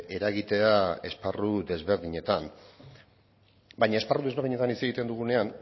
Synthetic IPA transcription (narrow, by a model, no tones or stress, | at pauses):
e̞ɾaɣit̪e̞ae̞sparuðe̞zβe̞ɾðiɲe̞t̪an | bajɲae̞sparuðeβeɾð̞iɲe̞t̪anit͡se̞ɣit̪e̞nd̪uɣ̞une̞an